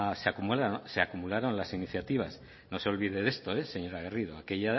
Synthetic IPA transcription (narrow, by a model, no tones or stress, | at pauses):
seakumulaseakumulaɾo̞nlasiniθjat̪iβ̞as | no̞se̞o̞lβiðe̞ðe̞st̪o̞ese̞ɲo̞ɾaɣ̞eriðoake̞ʎa